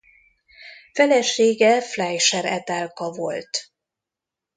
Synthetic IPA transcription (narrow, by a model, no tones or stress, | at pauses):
fɛlɛʃeːɡɛflɛjʃɛɾɛt̪ɛlkɒvo̰lt̪